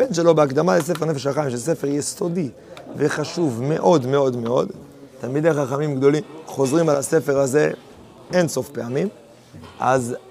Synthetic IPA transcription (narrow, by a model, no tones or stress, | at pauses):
b̥e̞nʃe̞lo̞beakd̪amales̬efenefeʃaχajimʃes̬efeʁjest̪o̞di | veχaʃuvme̞ʔo̞d̪me̞o̞d̪me̞o̞d̪ | t̪amid̪ejaχaχamimɡd̪o̞limχo̞zʁimalase̞fe̞ʁaze̞ | enso̞fpe̞amim | ʔa̰z